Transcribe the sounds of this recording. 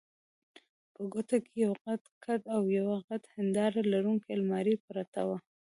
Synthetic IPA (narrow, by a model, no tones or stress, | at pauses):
pəɡot̪akejawɣad̪kʰad̪awjawaɣad̪hɪnd̪ɑɾalaɾuŋkelmɑɾipəɾat̪a̰wa